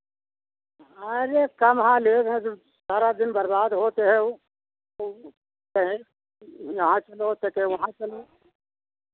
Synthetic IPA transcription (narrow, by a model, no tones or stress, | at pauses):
ɐɾekɐmɦãleːɾɦɛ̃d͡ʒo | saːɾad̪ɪnbɐɾbaːd̪ɦoːt̪eɦɛ̃o | o | kɐɦẽ | jɐɦãt͡ʃɐleɦoːt̪ekɐɦẽʋɐɦãt͡ʃɐle